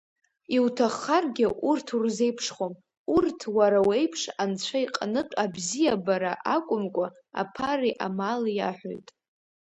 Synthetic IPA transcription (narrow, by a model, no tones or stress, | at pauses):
iwtʰaχːarɡʲɪʔurtʰurze̞jpʰʂχom | urtʰwaɾawe̞jpʰʂant͡ɕʷʰaiqʼanɨqʷʼabzijabaɾaʔakʷʼʊmkʷʼa | a̰pʰariʔa̰malja̰ħʷᶣo̰jtʼ